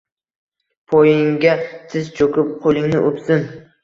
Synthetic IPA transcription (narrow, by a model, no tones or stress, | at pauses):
pʰojɪŋɡʲat̪ʰɪzt͡ʃʰokʊp̚qʰolˠɪŋnɪʔopsɪn